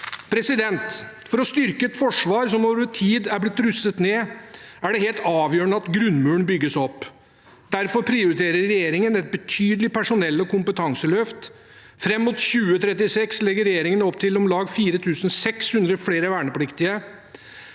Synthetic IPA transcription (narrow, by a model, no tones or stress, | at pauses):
pʰɾɛsɪd̪ɛnt̪ | fɔɾɔst̪ʏɾkəɛt̪fɔʂʋɑːɾsɔmoːʋəət̪ʰiːd̪æɾblɪt̪ːɾʉsət̪neːæɖɛheːlt̪ɑːʋjøːɳəɑt̪ɡɾʉnmʉːəɳbʏɡːəsɔpː | d̪̥æɾfɔɾpʰɾɪʊɾɪt̪ʰeːɾəɾːɛjeːɾɪŋənɛt̪̚bət̪ʰyːd̪əlɪpæʂʊnɛlːɔkʊmpət̪ʰɑŋsəlœft̪ | fɾɛmːuːt̪ɕʉːət̪ʰɾɛt̪̬ɪsɛkslɛɡːəɾɛjeːɾɪŋənɔpt̪ʰɪlɔmlɑːɡfiːɾət̪ʰʉːsən̩sɛkshʉnd̪ɾəfleːɾəʋæːɳəpʰlɪkt̪ɪə